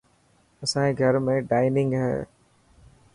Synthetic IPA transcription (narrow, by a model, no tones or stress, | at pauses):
ɐsãiɡʱɐɾmẽɖaːɪnɪ̃ŋɡɦɛ̰ː